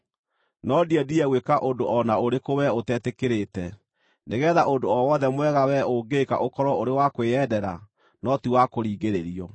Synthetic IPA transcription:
nɔdiɛdiɛɣwekaʔondoʔɔnaoɾekowɛotɛtekeɾetɛ | neɣɛːðaʔondoɔwɔðɛmwɛɣawɛoɡeka̰ʔokɔɾɔoɾewakweɛdɛɾa̰ | nɔtiwakoɾiːɣeɾeɾiɔ

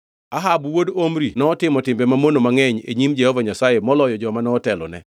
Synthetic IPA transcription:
aɦabwodomɾinɔːtɪmɔtɪmbɛmamonomaŋɛɲḛɲimd͡ʒɛhɔvaɲasaemɔlɔjɔd͡ʒɔmanɔːtɛlɔ̰nɛ̰

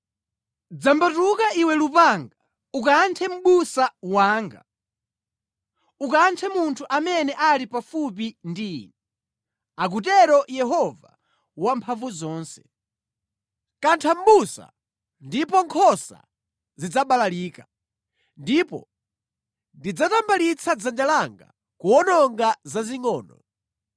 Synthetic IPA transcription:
d͡zambatukaʔiwɛlupaŋɡa | ukantʰɛm̩ɓusawaːŋɡa̰ | ukantʰɛmuntʰuʔamɛnɛʔalipafupindiːnɛ | ak̬utɛɾɔjɛɦɔva̰ | wampʰaɱvuzɔːnsɛ̥ | kantʰambusa̰ | ndipɔŋkʰɔsa̰ | zid͡zaɓalaliːka | ndipɔ̰ | ndid͡zatambalit͡sʰad͡zand͡ʒalaŋɡa̰ | kuɔnɔŋɡazaziŋɔːnɔ

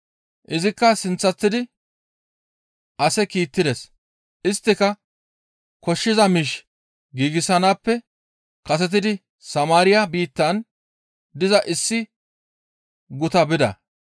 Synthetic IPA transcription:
ʔɪzɪkːɐsɪnt͡sːɐt̪ːɪd̪ɪ | ʔɐsɛkiːt̪ːɪd̪ɛs | ʔɪst̪ːɪkɐ | kɔʃːɪzɐmiːʃ | ɡiːɡɪsɐnaːpːɛ | kɐs̬ɛt̪̬ɪd̪ɪ | sɐmaːɾɪjɐbiːt̪ːɐn | d̪ɪzɐʔɪsːɪ | ɡʊt̪ɐbɪd̪ɐ̰

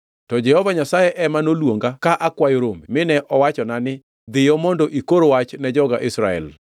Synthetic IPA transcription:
tɔd͡ʒɛhɔvaɲasajɛʔɛmanolwoŋɡakaʔakwajoɾomimɪnɛʔɔwat͡ʃɔnanɪ | d̪ɪjɔmɔndɔʔikoɾowat͡ʃnɛd͡ʒɔɡaʔɪsɾaɛ̰l

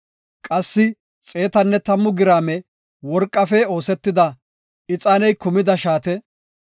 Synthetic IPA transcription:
kʼɐsːɪ | t͡sʼe̞ːt̪ɐnːɛt̪ɐmːʊɡɪɾaːmɛ | wɔɾkʼːɐfɛo̞ːsɛt̪ːɪd̪ɐ | ɪt͡sʼaːnɛjkʊmɪd̪ɐʃaːt̪ɛ

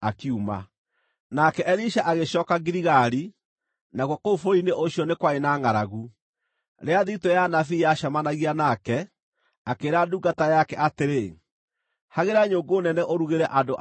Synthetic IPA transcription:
akiuma̰ | nakɛʔɛɾiʃaʔaɣeʃɔːkaɡiɾiɣaɾi | naɣwɔkoufoɾoineʔoɕiɔnekwaenaːŋaɾaɣu | ɾeaðitɔjanafijaʃamanaɣianakɛ | akeːɾaduɡatajakɛateɾe | haɣeɾaɲoːŋɡoːnɛnɛʔoɾuɣeɾɛʔandoʔ

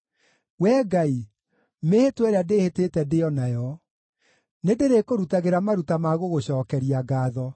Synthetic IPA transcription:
wɛːɡai | mehetwɛɾeadehetetɛdeɔnajɔ | nedeɾekoɾutaɣeɾamaɾutamaɣoɣoɕɔːkɛɾiaɡaːðɔ

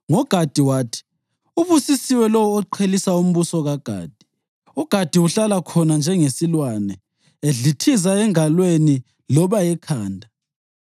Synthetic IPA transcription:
ŋɔɡ̥ʱad̥ʱiwaːtʰi̥ | uβusisiwɛlɔwːǃʰelisaum̩βusɔɣaɡ̥ʱa̰ːd̥ʱi̥ | uɡ̥ʱad̥ʱiuɬalakʰɔnand͡ʒʱɛŋesilwanɛ | eɮitʰizaɛŋalweni | lɔβajɛkʰaːndʱa

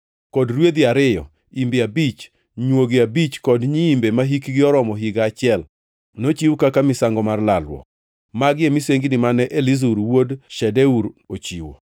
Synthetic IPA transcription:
kɔdɾwed̪iaɾɪjɔ̰ | imbɪabit͡ʃ | ɲwoɡɪabit͡ʃkɔdɲiːmbemaɦikɡɪɔɾɔmɔɦiɡaːt͡ʃɪɛl | not͡ʃiwukakamɪsaŋɡɔmarlalwɔ̰ | maɡɪemiseŋɡinɪmanɛʔelizuɾwodʃɛdɛuɾot͡ʃiwo̰

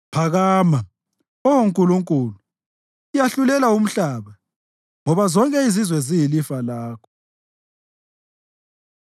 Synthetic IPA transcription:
pʰaɣaːma | ɔwoŋkʼuluŋkʼulu | ijaɬulɛlaum̩ɬaːβa | ŋɔβazɔŋkʼɛizizwɛzijilifalaːkʰɔ̥

